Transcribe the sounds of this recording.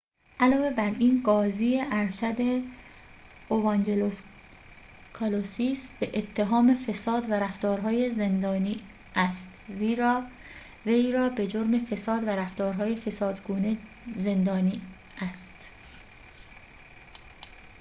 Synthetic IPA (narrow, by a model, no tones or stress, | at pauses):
ʔælɒːve̞bæɾiːnɡɒːziːeʔæɾʃæd̪e | ovɑnd͡ʒelos | kʰɑlosisbeʔet̪ʰːe̞ɦɒːme̞fesɒːd̪væɾæft̪ɒːɾɦɒːjezend̪ɒːniː | æst̪ziːɾɒː | vejɾɒːbe̞d͡ʒoɾme̞fe̞sɒːd̪væɾæft̪ɒːɾɦɒːjefe̞sɒːd̪ɡuːne | ze̞nd̪ɒːniː | ʔæst̪